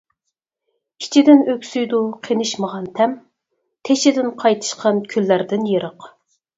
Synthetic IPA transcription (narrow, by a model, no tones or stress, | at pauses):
kʲʰi̥t͡ʃʰid̪ɪnøkʲsyjd̪uqʰenɨʃməʁɑnt̪ʰɛm | t̪ʰeʃɪd̪ɪnqʰɑjt̪ʰɨ̥ʃqʰɑnkʲʰylːæɾd̪ɪnjeɾəq